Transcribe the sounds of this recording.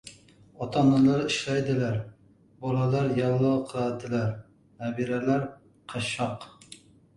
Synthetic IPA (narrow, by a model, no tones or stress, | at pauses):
ɑt̪ʰɑnːɨlˠɑɾiʃlɛjd̪ɪlæɾ | bɑlˠɑlˠɑɾjɑlˠːɑwqʰəlˠɑd̪ɪlæɾ | næbiɾɛlæɾ | qʰɑʃɑq